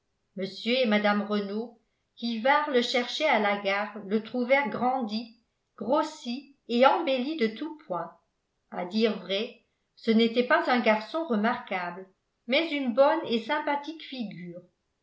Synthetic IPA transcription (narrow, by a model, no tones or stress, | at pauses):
məsjøemad̪amʁəno | kʲivaʁləʃɛʁʃɛalaɡaːʁlət̪χuvɛʁɡʁɑ̃d̪i | ɡ̥ʁosi | eɑ̃belid̪ət̪upwɛ̃ | a̰d̪iːʁvʁɛ | sənet̪ɛpazœ̃ɡaʁsɔ̃ʁəmaʁkabl | mɛzynbɔnesɛ̃pat̪ikfiɡyːʁ